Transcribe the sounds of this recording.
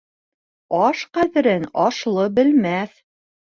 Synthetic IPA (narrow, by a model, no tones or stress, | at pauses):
ɑʃqæðɘ̆ɾɘnɑʃlˠɤbɘ̆lmæθ